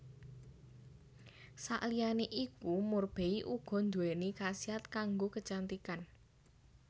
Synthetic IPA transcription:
sa̰ʔlijaneʔikumʊrb̥e̤iʔuɡ̥ɔ̤nd̪uwɛnikasiat̪kaŋɡokət͡ʃant̪ikan

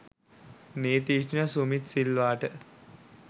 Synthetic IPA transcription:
neːt̪iːʃnəsumit̪silʋaːʈə

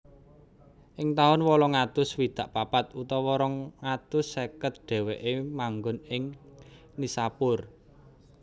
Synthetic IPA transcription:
ʔɪŋt̪aʊnwɔlɔŋat̪ʊswid̪̥a̤ʔpapat̪ut̪ɔwɔɾɔŋːat̪ʊsːekət̪̚ɖ̪̥ɛ̤weʔemaŋɡʊnɪŋ | nisapʊr

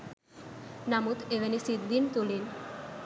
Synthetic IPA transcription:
namut̪eʋenisid̪ːint̪ulin

